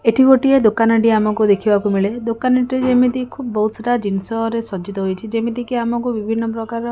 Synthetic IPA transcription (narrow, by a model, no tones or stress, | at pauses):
eʈʰiɡoʈied̪okanɔʈiamɔkud̪ekʰibakumiɭed̪okanaʈed͡ʒemit̪ikʰubbɔɦut̪sʈad͡ʒinsɔɾesɔd͡ʒit̪ɔɦojt͡ʃʰid͡ʒemid̪ikiamɔkubibʱinːɔpɾɔkaɾɔ